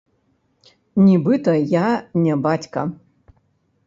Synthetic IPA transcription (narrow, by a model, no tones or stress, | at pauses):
nʲibɨt̪ɐjanʲɛbat͡sʲkɐ̰